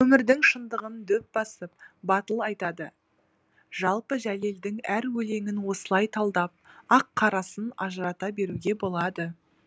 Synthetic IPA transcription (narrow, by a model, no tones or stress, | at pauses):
wɵmɪɾd̪ɪŋʃənd̪əʁənd̪ɵp̚b̥ɑsəp̚bɑt̪əlˠɑjt̪ɑd̪ə | ʒ̥ɑlˠpəʒæle̞ld̪ɪŋæɾwɵle̞ŋɪnwo̞səlˠɑjt̪ʰɑlˠd̪ɑp̚ɑqʰːɑɾɑsənɑʒəɾɑt̪ɑbe̞ɾuɡʲe̞bo̞lˠɑd̪ə